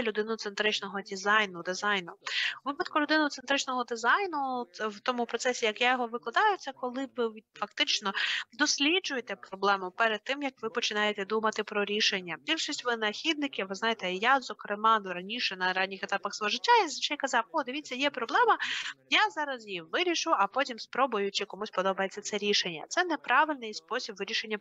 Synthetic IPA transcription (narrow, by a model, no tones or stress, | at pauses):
lʲʊd̪ɪnʊt̪sent̪ɾɪt͡ʃnɔɦɔdʲizɑjnʊd̪ɪzɑjnʊʋɪpɐt̪kʊlʲʊd̪ɪnʊt̪sent̪ɾɪt͡ʃnɔɦɔd̪ɪzɑjnʊwt̪ɔmʊpɾɔt̪sɛsʲijɐkjajɔɦɔʋɪklˠɐd̪ɑjʊt͡sʲːɐkɔlˠɪʋɪfɐk̚t̪ɪt͡ʃnɔd̪ɔsʲlʲid͡ʒʊjet̪ɛpɾɔblˠɛmʊpɛɾɛd̪̚t̪ːɪmjɐkʋɪpɔt͡ʃɪnɑjet̪ɛd̪umɐt̪ɪpɾɔɾʲiʃenʲːɐbʲilʲʃisʲtʲʋɪnɐxʲid̪nɪkʲiʋʋɪznɑjet̪ɛjazɔkɾemɑnʊɾɐnʲiʃɛnɐɾɑnʲːixet̪ɑpɐxsʋɔɦɔʒɪtʲːajizɐt͡ʃɛjkɐzɑwod̪ɪʋʲit͡sʲːɐjɛpɾɔblˠɛmɐjazɑɾɐzjiʋɪɾʲiʃʊɐpɔtʲimspɾɔbʊjʊt͡ʃɪkɔmusʲpɔd̪ɔbɐjet͡sʲːɐt̪sɛɾʲiʃenʲːɐ̰t̪sɛnɛpɾɑʋɪlʲnɪjspɔsʲibʋɪɾʲiʃenʲːɐ